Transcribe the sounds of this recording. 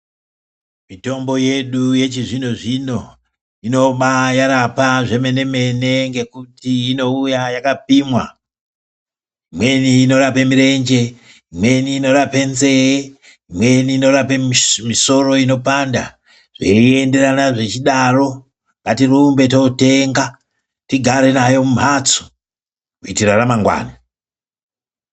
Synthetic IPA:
mito̞mbo̞je̞ɗuje̞t͡ʃiʐinoʐino̞ | ino̞ɓajaɾapaʐe̞me̞ne̞me̞ne̞ŋɡe̞kutiːno̞ujajakap̚iːmwa̰ | imwe̞niːno̞ɾapemiɾe̞nd͡ʒe̞ | imwe̞niːno̞ɾape̞nze̞e | imwe̞niːno̞ɾapemiso̞ro̞ino̞panda̰ | ʐ̥eiende̞ranaʐet͡ʃiɗaro̞ | ŋɡatirumbe̞tote̞ŋɡa | tiɡʱaɾe̞najo̞mum̤at͡su̥ | kuitiraramaŋɡwa̰ːna

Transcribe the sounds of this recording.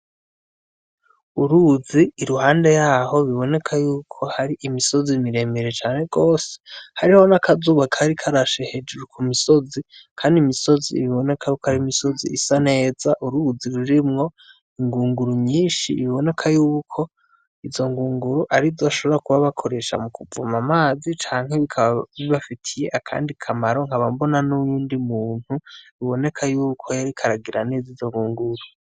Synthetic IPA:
uɾuziːɾuhaːnde̞jaːho̞βiβo̞ne̞kʰajuːkʰo̞haɾiʔimiso̞zimiɾe̞meɾe̞t͡ʃaːne̞ɡo̞ːse̥haɾiho̞nakazuːβakʰaɾikʰaɾaʃehed͡ʒuɾukʰumiso̞zikʰaːndimiso̞ziβiβo̞ne̞kʰajukohaɾimiso̞ziisane̞ːz̥aʔuɾuziɾuɾimŋo̞ | iŋɡuːŋɡuɾuɲɲiːnʃḭːβiβo̞ne̞kʰajuːkʰo̞ | izo̞ŋɡuːŋɡuɾuʔaɾizoʃo̞βoɾakuβaβakʰo̞ɾe̞ʃa̰mukʰuvṵmamaːzit͡ʃaːŋhe̞βikʰaβiβafitʰije̞ʔakʰa̰ːndikʰamaɾo̞ŋ̥haβambo̞nanujuːndimuːn̥huiβo̞ne̞kʰajuːkʰojaɾikʰaɾaɡiɾanezizo̞ŋɡuːŋɡuɾu

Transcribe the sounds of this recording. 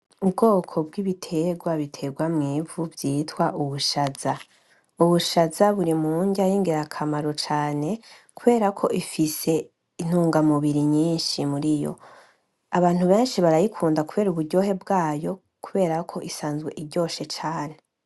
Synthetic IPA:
ubɡo̞ːkʰo̞bɡiβitʰe̞ɡwaβitʰe̞ɡwamŋiːvuvjiːtwaʔuβuʃaz̥a | uβuʃazaβuɾimuːɲɟajiːŋɡeɾakʰamaɾo̞t͡ʃaːne̞kuβe̞ːɾakʰo̞̰ʔifise̞ | in̥huːŋɡamuβiɾiɲiːnʃimuɾijo̞̰ | aβaːn̥huβe̞ːnʃiβaɾajikʰuːndakuβe̞ːɾuβuɾɟo̞ːɦe̞bɡaːjo̞ | kuβe̞ːɾakʰo̞ʔisaːnzɡwe̞̰ʔiɟo̞ːʃe̞t͡ʃaːne̞

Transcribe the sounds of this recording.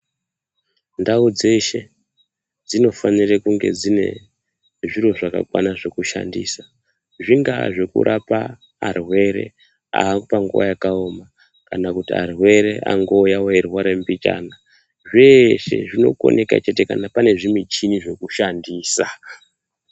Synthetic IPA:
ndaud͡ze̞ʃe̞ | d͡zino̞fanirekuŋɡe̞̰d͡zine̞̰ | ʐiro̞ʐaka̰kwa̰naʐe̞kuʃa̰ndḭːsa | ʐiŋɡaʐe̞kṵɾʔapaː | rwe̞ɾe̞̰ | a̰ːpaŋɡuʋa̰jakaoma | kanakutia̰rwe̞ɾe̞ʔa̰ŋɡo̞ːjawaerwaɾembit͡ʃa̰ːna | ʐeʃḛʐino̞̰ko̞̰nʔe̞kat͡ʃe̞te̞kanapane̞ʐimwit͡ʃiniʐe̞kuʃandiːsa

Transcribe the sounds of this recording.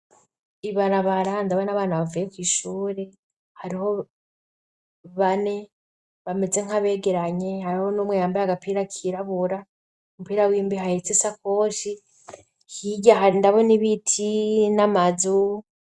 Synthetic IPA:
iβaɾaβaɾandaβanaβaːnaβavajekwiːʃuːɾe̞ | haɾiho̞ | βane̞ | βame̞d͡ze̞ŋ̥aβe̞ːɡe̞ɾaɲe̞haɾiho̞nomwejaːmbaɾaɡapʰiːɾakʰiɾaβuɾa | omupiːɾawiːmbiɦahet͡sisakoːʃi | hiɟaɦaɾindaβo̞niβitʰinamazu

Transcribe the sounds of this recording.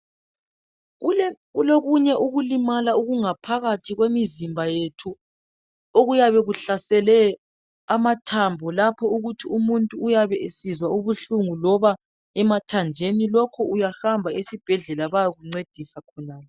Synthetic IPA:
uloɣuɲɛʔuɣulimalauɣuŋapʰaɣatʰiɣwemizimbʱajetʰu | oɣujaβɛɣuɬasɛlɛ | amatʰambʱɔlapʰɔuɣutʰiumuntʼuːjaβɛesizwauβuɬuŋulɔβa | ɛmatʰand͡ʒʱenilɔkʰɔujahambʱaesib̥ʱɛɮɛlaβajaɣuŋ͡ǀed̥ʱisakʰɔnaːlɔ

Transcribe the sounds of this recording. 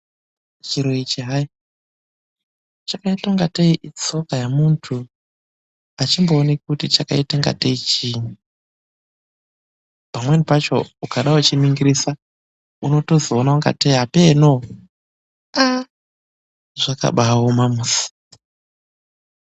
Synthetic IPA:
t͡ʃiɾoit͡ʃiɦai | t͡ʃakaitaŋɡateiʔit͡so̞kajamuntʰu | at͡ʃimbo̞ːnikutit͡ʃakaitaŋɡa̰teit͡ʃiːɲu | pamwenipat͡ʃo̞̰ukaɗaut͡ʃimiŋɡiɾisa | uno̞to̞zoonauŋɡa̰teiɦapeno̞ | a | ʐ̥aka̰ɓawomamusi̥

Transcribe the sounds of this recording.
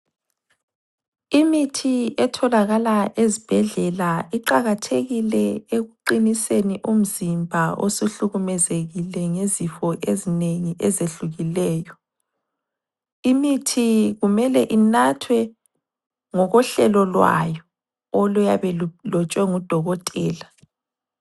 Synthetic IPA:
imitʰiɛtʰɔlaɣalaʔezib̥ʱɛɮɛlaiǃaɣatʰeɣilɛeɣuǃiniseniʔum̩zimbʱaʔo̰suɬuɣumɛzeɣilɛŋezifɔʔezineŋiʔɛzeɬuɣilɛːjɔ | imitʰiɣumɛlɛʔinatʰwɛ | ŋɔɣɔɬɛlɔlwa̰jɔː | lɔjaβɛlɔt͡ʃʼwɛŋud̥ʱɔɣɔtʼɛːla

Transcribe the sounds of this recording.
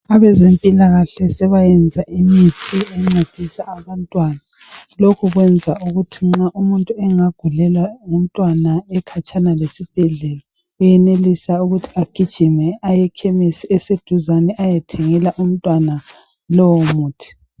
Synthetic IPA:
aβɛzempʼilaɣaɬɛsɛβajɛnd͡zʱaʔimitʰiɛŋ͡ǀed̥ʱisaːβantʼwaːna | lokʰuɣwɛnd͡zʱaʔuɣutʰiŋ͡ǁaʔumuntʼuɛŋaɡ̥ʱulɛlaŋum̩tʼwanaɛkʰat͡ʃʰʼanalesib̥ʱɛɮɛla | ujɛnelisauɣutʰi̥aɡ̥ʱid̥ʒ̥ʱimɛajɛkʰɛmesiɛsed̥ʱuzanɛʔajɛtʰɛŋɛlaʔum̩tʼwana | lɔwomuːtʰi̥

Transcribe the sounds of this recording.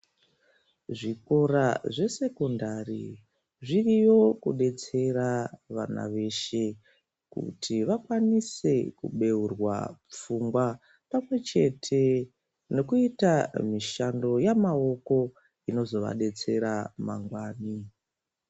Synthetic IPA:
ʐiko̞ɾaʐe̞se̞ko̞ndarḭ | ʐirijo̞kuɗe̞t͡se̞ɾaʋa̰na̰ʋe̞ʃe̞ | kṵtʰiʋakwanise̞kṵɓe̞urwa̰p͡fuŋɡwa | pamwe̞t͡ʃe̞tʰe̞ | no̞kuitamiʃando̞jamao̞ko̞ | ino̞zo̞ʋa̰ɗe̞t͡se̞ɾama̰ŋɡwaːni

